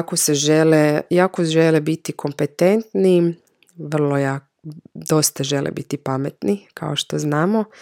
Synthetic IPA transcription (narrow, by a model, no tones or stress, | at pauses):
koseʒelejaːkoʒelebit̪ikʰo̞mpet̪ent̪ni | ʋr̩lˠojak | d̪o̞st̪aʒelʔḛbit̪ipamet̪nikʰa̰oʃt̪o̞znaːmo